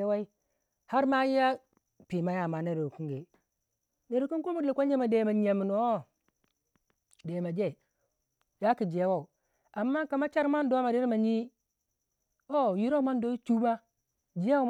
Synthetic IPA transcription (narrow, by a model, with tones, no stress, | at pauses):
wa˦i˦ | ha˦ɾma˦ji˦ja˦ | pi˨ma˦ja˦˨ma˨˦ne˦˨ɾu˨ku˦ŋɡe˨ | ne˨ɾu˨ku˦nku˦mu˦di˨kʷo˦ɲe˦ma˨de˨ma˨ɲ˨a˨mi˨no˨˦o˦ | de˨ma˨d͡ʒe˦˨ | ja˦ki˨d͡ʒi˨a˦wa˦u˨ | a˨mːa˦ka˨ma˦t͡ʃa˦ɾma˦n˦do˦ma˨de˦ɾma˨ɲi˦ | o˦ju˦ɾo˦u˦ma˦n˦do˦i˦t͡ʃu˦ba˦ | d͡ʒi˨˦a˦